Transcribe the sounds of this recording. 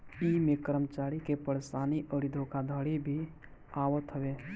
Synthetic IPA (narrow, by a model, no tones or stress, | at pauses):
iːmekəɾəmt͡ʃaːɾikepəɽsaːniʔəɽid̪ʱõkad̪ʱəɽibʱi | aːʋət̪ɦəʋeː